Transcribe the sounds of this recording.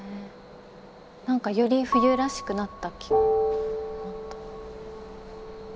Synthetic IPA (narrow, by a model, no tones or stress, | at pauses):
nãŋkajo̞ɾʲiɸɯ̟jɯ̟ɾaɕi̥kɯ̟nat̪ːakʲi̥ɡonat̪ːḁ